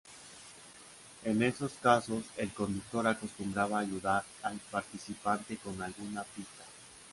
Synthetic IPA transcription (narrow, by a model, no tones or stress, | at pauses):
e̞ne̞so̞skaso̞se̞lko̞nd̪uk̚t̪o̞ɾako̞st̪umbɾaβaːʝuðaɾalpaɾt̪isipant̪e̞ko̞nalɣunapit̪a